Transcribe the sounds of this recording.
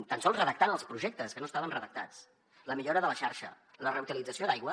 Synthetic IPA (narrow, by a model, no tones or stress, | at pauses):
t̪ənsɔlˠzrəðək̚t̪anəlˠspɾuʒek̚t̪əskənoəst̪aβənrəðək̚t̪at͡s | ləmiʎoɾəðələʃaɾʃə̰ | lərəwt̪ilid͡zəsiod̪ajɣwə